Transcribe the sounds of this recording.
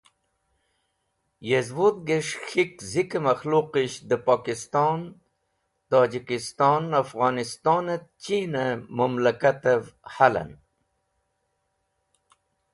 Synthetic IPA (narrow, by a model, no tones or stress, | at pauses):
jezwod̪̚ɡeʂxikzikamaxluqiɕd̪əpɑːkist̪ɑːn | t̪ɑːd͡ʑikist̪ɑːnafɣɑːnist̪ɑːnat̪̚t͡ɕinamamlakat̪avhala̰n